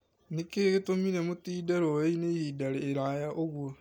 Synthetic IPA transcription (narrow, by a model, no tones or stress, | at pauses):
nikeɣitomiɾemutiːdaɾoːeinehiːdaɾeːɾajaʔoɡwo